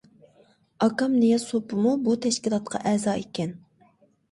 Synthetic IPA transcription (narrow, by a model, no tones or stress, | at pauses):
ɑkɑmnijɑsopʰɨmubut̪ʰɛʃkʲilˠɑt̪̚qʰɑ̰ʔɛːzɑːekʲɛn